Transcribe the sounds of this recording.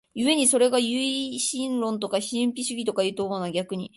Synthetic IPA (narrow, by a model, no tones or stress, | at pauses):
jɯe̞ɲ̟iso̞ɾe̞ɡajɯiɕĩnɾõ̞nt̪o̞kaçĩmpʲiɕɨɡʲit̪o̞kaiɯːt̪omonaɡʲakɯ̟ɲ̟i